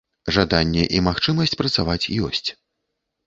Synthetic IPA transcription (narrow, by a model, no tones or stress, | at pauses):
ʐad̪anʲːɛʔimaxt͡ʂɨmɐsʲt͡sʲpɾɐt̪savat͡sʲjɔsʲt͡sʲ